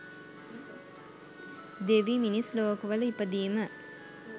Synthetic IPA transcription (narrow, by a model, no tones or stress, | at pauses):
d̪eʋiminisloːkɐʋələipəd̪iːmə